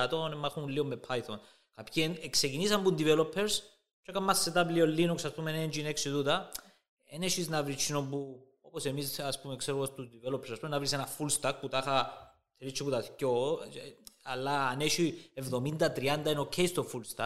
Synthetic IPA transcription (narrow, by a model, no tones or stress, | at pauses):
t̪o̞nemːɐxuulːiomːepʰːajt̪ʰon | kɐpçinekse̞cinisɐmbund̪ivelo̞pʰːeɾs | t͡ʃokɐmːɐsːet̪apliolːinuksɐspumenend͡ʒineksit̪ut̪ɐ | ḛneʃiznɐvɾit͡ʃʰːinombu | opose̞misɐspumekseɾuost̪uzd̪ivelopʰːeɾsaspumenɐvɾisenɐfulst̪ɐk̚put̪axɐ | t̪ʰeɾit͡ʃːiput̪ɐt̪cːo | alːaːneʃievðo̞mind̪ɐt̪ɾiɐnd̪ɐinokʰeist̪ofulst̪ɐk